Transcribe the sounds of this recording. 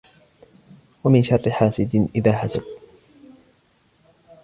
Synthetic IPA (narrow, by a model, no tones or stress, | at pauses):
wamɪnʃɑrˤːɪħaːsɪd̪nʔɪðaːħasa̰b̪